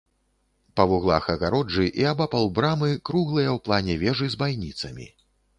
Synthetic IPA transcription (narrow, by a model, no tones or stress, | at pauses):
pɐvuɣlˠa̰xɐɣaɾɔd͡ʐɨʔiabapalˠbɾamɨkɾuɣlˠɨjɐwplˠanʲɛvʲɛʐɨzbajnʲit̪sɐmʲḭ